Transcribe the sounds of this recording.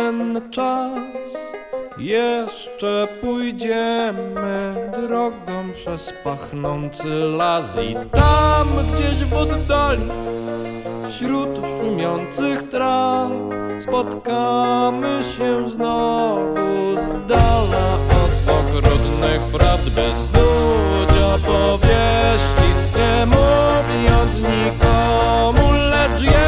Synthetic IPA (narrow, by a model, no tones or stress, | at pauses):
ɛnt͡ʂasjɛʂt͡ʂɛpujd͡ʑɛmɘd̪ɾɔɡɔ̃w̃pʂɛspaxnɔnt̪sɘlazḭt̪amɡd͡ʑeʑvɔd̪ːalʲi | fɕɾut̪ʂumʲjɔnt̪sɘxt̪ɾa | spɔt̪kamɘɕɛznɔvuzd̪alaɔt̪ɔkɾɔd̪nɛxpɾavd̪bɘsnud͡ʑɔpɔvʲjeɕt͡ɕiɲɛmuvʲɔnt̪sɲikɔmulɛʐjɛ